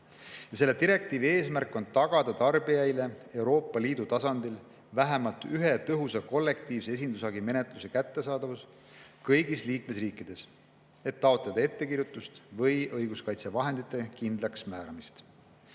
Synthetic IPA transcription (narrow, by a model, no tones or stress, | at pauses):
jɑse̞lːet̪iɾe̞k̚t̪iːvie̞ːsmærkːˑo̞nt̪ɑɡ̥ɑd̪̥ɑt̪ɑrbijɑjle̞e̞wɾo̞ːpːˑɑliːd̪̥ut̪ɑsɑnd̪il | væɦemɑlt̪yɦe̞t̪ɤɦusɑko̞lːe̞kt̪iːvse̞e̞s̬ʲind̪usɑɡime̞net̪ˑluse̞kæt̪ːe̞sɑːd̪̥ɑvus | kɤjɡisliːkme̞sriːkːˑid̪̥e̞s | e̞t̪ːɑot̪ˑled̪ɑe̞t̪ːe̞kiɾjut̪ːˑust̪vɤjɤjɡ̥uskɑjt̪sevɑɦe̞nd̪it̪ːˑe̞kind̪lɑksmæːɾɑmist̪